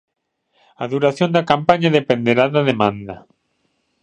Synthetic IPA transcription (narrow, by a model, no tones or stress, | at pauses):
aðuɾaθjond̪ɐkampaɲaðepẽnd̪eɾaðaðemãnd̪ɐ